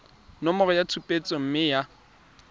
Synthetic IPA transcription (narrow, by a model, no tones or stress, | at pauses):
nɔmɔrɔjatʰupʼet͡sʼɔm̩mɪja